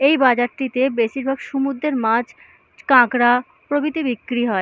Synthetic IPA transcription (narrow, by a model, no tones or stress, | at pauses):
ejbad͡ʑaɾʈit̪ebeʃiɾbʱaɡʃumud̪ɾeɾmãd͡ʑ | kãkɾa | pɾobit̪ibikːɾiɦɔe